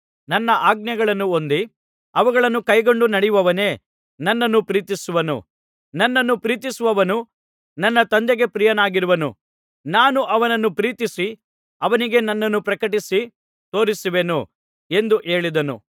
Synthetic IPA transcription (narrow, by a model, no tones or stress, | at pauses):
nɐnːɐʔaːɡ̚njɐɡɐɭɐnːuo̞nd̪i | ɐʋɐɡɐɭɐnːukɐjɡo̞ɳɖunɐɽɛjuʋɐʋɐne̞ː | nɐnːɐnːupɾiːt̪isuʋɐnṵ | nɐnːɐnːupɾiːt̪isuʋɐʋɐnu | nɐnːɐt̪ɐnd̪eɡe̞pɾijɐnaːɡiɾuʋɐnṵ | naːnuʔɐʋɐnɐnːupɾiːt̪isi | ɐʋɐniɡe̞nɐnːɐnːupɾɐkɐʈisi | t̪o̞ːɾisuʋenu | e̞nd̪uʔe̞ːɭid̪ɐnṵ